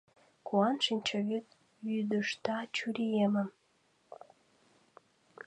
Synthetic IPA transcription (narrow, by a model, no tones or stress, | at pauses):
kuɑnʃinʲt͡ɕəɣyt̪̚ | jyd̪əʃt̪ɑt͡ɕyɾʲijeməm